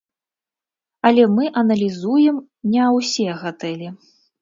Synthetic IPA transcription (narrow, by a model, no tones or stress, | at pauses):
ɐlʲɛmɨʔɐnɐlʲizujɛm | nʲɛwsʲɛɣat̪ɛlʲɛ